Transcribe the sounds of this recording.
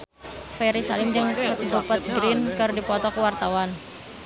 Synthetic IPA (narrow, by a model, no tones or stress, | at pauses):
fɛɾisalɪmd͡ʒɨŋdupat̪̚ɡɾɪnkɨrdipɔt̪ɔkəwart̪awan